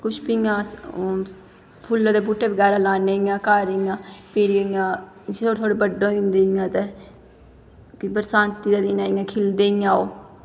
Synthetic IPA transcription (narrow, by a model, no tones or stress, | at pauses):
kʊʃpijãː | pʰulãːd̪eːbuːʈːeːbəɡɛːɾaːlaːneːijãːkaːɾejãːpɪɾjãː | ot̪ʰoːɽeːbəɖõːĩnd̪eːjãːt̪e | kɪbəɾsaːnt̪iːd̪aːd̪ɪnaːɪjãːkʰɪld̪eːɪjãːoː